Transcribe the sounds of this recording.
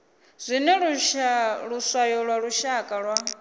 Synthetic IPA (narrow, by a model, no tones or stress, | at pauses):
z̥ʷinɛɺu | ɺusajɔɺwaɺuʃakʼaɺwa